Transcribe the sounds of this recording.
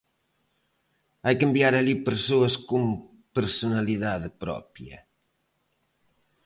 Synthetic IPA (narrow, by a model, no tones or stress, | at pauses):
ajkembjaɾaʎipəɾsoɐskum | pəɾsunaliðaðpɾɔ̰pjɐ̰